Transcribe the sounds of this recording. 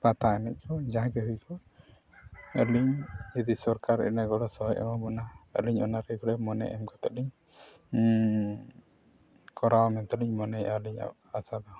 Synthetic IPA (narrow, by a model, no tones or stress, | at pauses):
pat̪aɛnɛc̚ˀkʰɔd͡ʒaɦãkɛɦujkɔ | əliɲid̪isɔɾkaɾɛ̰nɛɡɔlɔsɔɦɔjɛ̰maɡɔnaə̰liɲɔnaɾɛɡɔlɛmɔnɛ̰ʔɛ̰mkɔt̪ɛʔliɲ | kɔɾawmɛnt̪ɔliɲmɔnɛaliɲa̰ | asad̪ɔ